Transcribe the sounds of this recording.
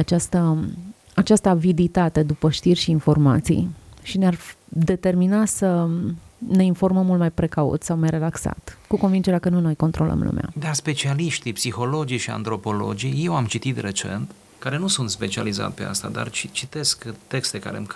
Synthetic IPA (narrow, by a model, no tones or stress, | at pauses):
at͡ʃast̪ə | at͡ʃast̪əavid̪it̪at̪e̞d̪upəʃt̪irʲʃiːnfo̞rma̰t̪sḭjʃinear | d̪e̞t̪e̞rminasə | ne̞info̞rməmːult̪majpɾe̞kaṵt̪sawmajre̞laksa̰t̪kuko̞nvind͡ʒeɾeakənunojko̞nt̪ɾo̞lə̰mlṵmea̰d̪arspe̞t͡ʃialiʃt̪ipsixo̞lo̞d͡ʒiʃia̰nt̪ɾo̞po̞lo̞̰d͡ʒije̞wamt͡ʃit̪it̪re̞t͡ʃe̞̰nt̪ | kaɾe̞nusunt̪spe̞t͡ʃia̰liza̰t̪pe̞̰a̰st̪a̰d̪a̰rt͡ʃit͡ʃit̪e̞skt̪e̞kst̪e̞ka̰ɾem